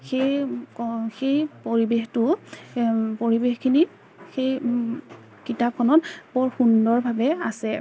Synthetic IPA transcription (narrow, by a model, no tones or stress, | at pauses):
xej | xejpoɹibextʊ | poɹibexkʰini | xej | kitap̚kʰɔnɔtbɔɹxundɔɹbʱabɛasɛ